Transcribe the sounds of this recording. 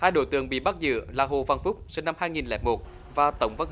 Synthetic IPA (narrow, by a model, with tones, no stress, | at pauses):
haː˧jɗo̰˧˨˦jt̪ɨ̰˧˨˩əŋɓḭ˧˨ɓa˦˥t̚zɨ̰˧˨laː˨˩ɦo̰˧˨˩va˧˩nfʊ˦˥k͡p̚sɨ˧na˧mhaː˧jŋi˨˩nlɛ̰ː˨˦mo˨˩t̚ | vaː˨˩t̪ə˧˦wŋ͡mvə˧ŋ